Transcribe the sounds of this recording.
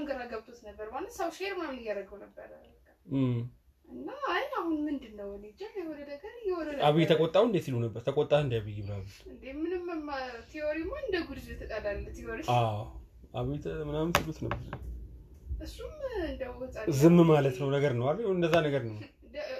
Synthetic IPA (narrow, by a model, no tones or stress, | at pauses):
ŋɡəɾaɡəβt̪ʰot̪nəbːəɾmanːəsəwʃeɾmamɨjaɾəɡəwnəbːəɾa | ka | ʔɨnːaajahunmɨnd̪ɨnːəwɛned͡ʒajɛhɔd̪əd̪əɡəɾɨjɛwɔd̪ənaβijt̪ʰəkʼot̪ʼːawɨnd̪et̪silunəbːəɾt̪ʰəkʼot̪ʼːaɨnd̪ajaβəjːɛβlaβut̪ɨnd̪emɨnɨmmat̪ʰioɾimaɨnd̪əɡud̪ɨd͡ʒɛt̪ʰəkʼad̪alːət̪ʰioɾiaw | ʔaβijt̪ʰmɨnamt̪ilut̪nəbːəɾ | ʔɨsːumɨnd̪əwɔt͡sʼazɨmːmalət̪nəwnəɡəɾnəwaβiɨnd̪əzːanəɡəɾnəw | d̪